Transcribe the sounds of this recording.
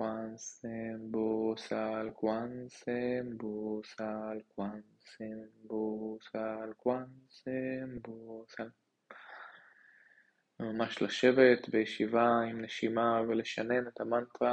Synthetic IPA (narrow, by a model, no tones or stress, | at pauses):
kansembosalkwansembosalkwan | sembosalkwansembosal | mamaʃlaʃe̞vet̪bejeʃivaimneʃimaveleʃane̞net̪amant̪ʁa